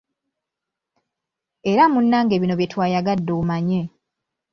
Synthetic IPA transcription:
eɾamunːaːŋɡeβino̞βje̞twaːjaɡadːomaɲe

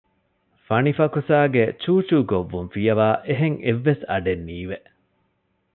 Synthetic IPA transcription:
fɐnifɐkusaːɡet͡ʃuːt͡ʃuːɡoʋːunfijɐʋaːʔeɦeŋeʋːesɐɖenːiːʋe

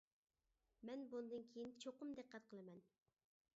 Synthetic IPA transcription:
mɛnbunɨd̪ɨnkʲʰejint͡ʃʰoqʊmd̪eqːɛt̪qʰəlˠɨmɛn

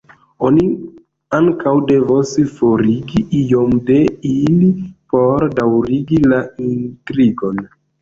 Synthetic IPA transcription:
o̞ni | aŋkawde̞vosfoɾiɡiʔijo̞mde̞ilipo̞ɾdawɾiɡilaintɾiɡo̞n

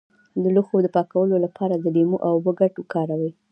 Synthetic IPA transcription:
d̪əluxod̪əpɑkawəlolapʰɑɾad̪əlemoʔawbəɡaʈokɑɾawə

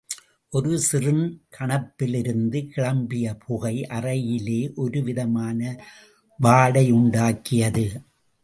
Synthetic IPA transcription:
ʔɔɾɯsɪrɯnkʰɐɳɐpːɪlɪɾɯnd̪ɯkɪɭɐmbɪjɐpʰʊɣɐɪʔɐrɐjɪleːʔɔɾɯʋɪðɐmaːnɐ | ʋaːɽɐɪʊɳɖaːkɪjɐðɯ

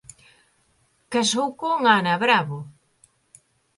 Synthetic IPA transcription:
kasowkoŋanaβɾaβo

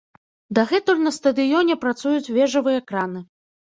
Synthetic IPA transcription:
d̪ɐɣɛt̪ɔlʲnɐst̪ɐd̪ɨjɔnʲɛpɾat̪sujut͡sʲvʲɛʐɐvɨjɐkɾanɨ

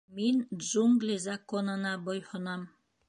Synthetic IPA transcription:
minʒuŋɡlʲizɑkonɤ̆nɑbojhŏnɑm

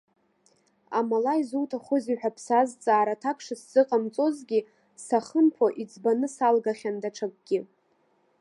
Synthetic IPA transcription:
amalaizuwtʰaχʷʊziħᶣapʰsazt͡sʼaːɾatʰakʷʰʂasz̥ɨqʼamt͡sʼo̞zɡʲi | saχəmpʰoʔid͡zʼbanɨsalɡaχʲandaʈ͡ʂʰak̚ʷʼɡʲɪ

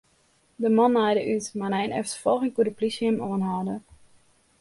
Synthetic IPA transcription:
dəmɔnːajdəʔytmanɛjnɛftə̥fɔlˠxɪŋkudəplisjəmoənɦaːdə

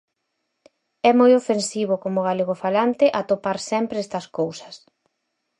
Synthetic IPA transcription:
ɛmojofensiβ̞ʊkomʊɣaleɣ̞ʊfalant̪ɪʔat̪opaɾsɛmpɾɛst̪ɐskowsɐ̥s

